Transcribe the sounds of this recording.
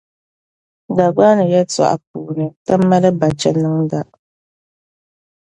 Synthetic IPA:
da˨ɡ͡ba˦nɨ˨jɛ˦ta̰˨ʔa̰˨p̚uː˨ɾɨ˨ta˦mːa˦lɨ˦ba˨t͡ʃɛ˦nɨ˦ŋda˨

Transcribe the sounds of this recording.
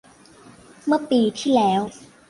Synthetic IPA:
mɯ˥˩əpiː˧t̪ʰiː˥˩lɛː˦˥w

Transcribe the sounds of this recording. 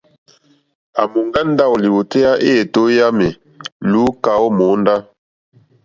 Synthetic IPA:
a˨mu˨ŋɡa˦n̩˦da˦˨wli˨wu˨te˦a˦ʔe˦e˨to˨˦ja˦me˨ | lu˨˦ka˨˦wo˦mo˨˦n˦da˦

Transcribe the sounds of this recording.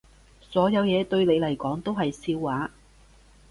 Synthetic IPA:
sɔː˨˥jɐ˨˧wjɛː˨˧t̪ɵ˧ɥne˨˧jlɐ˨˩jkɔː˨˥ŋt̪o˥wɦɐ˨jsiː˧wːaː˨˥

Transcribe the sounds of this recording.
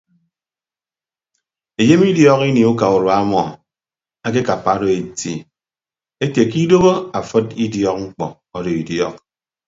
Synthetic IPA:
e˨je˦mi˦djɔ˨ki˦ni˨u˦ka˨u˨ɾwa˦mɔ˨ | a˦k̬e˦ka˨pa˨˦do˨e˨ti˨ | e˦tje˨ki˦do˦bo˦a˨fɨ˦ti˦djɔ˦k̚ŋ͡m̩˦k͡pɔ˨ | ɔ˦do˨i˨djɔ˦k̚

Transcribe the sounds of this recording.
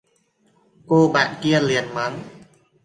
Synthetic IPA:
koː˧˩baː˨˩nki˧ənli˨˩ənma˦˥n

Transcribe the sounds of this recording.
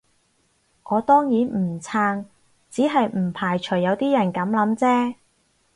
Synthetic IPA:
ŋɔː˨˧t̪ɔː˥ŋjiː˨˥n̩˨˩t͡sʰaː˧ŋ | t͡siː˨˥ɦɐ˨jm̩˨˩pʰaː˨˩jt͡ʃʰɵ˨˩jːɐ˨˧wt̪iː˥jɐ˨˩nkɐ˨˥mlɐ˨˧˥mt͡sɛː˥

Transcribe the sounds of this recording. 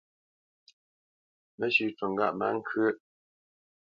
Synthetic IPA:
mə˦ɕy˨ʈ͡ʂə˨ŋɡa̰˦˨ʔma̰˦ŋ˦kʰə˦

